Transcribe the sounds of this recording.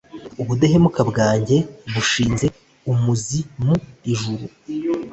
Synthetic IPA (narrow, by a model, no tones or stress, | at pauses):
uβudaɦemukabɡaːɲɟe̞βuʃiːnze̞ | umuzimuiʒuɾu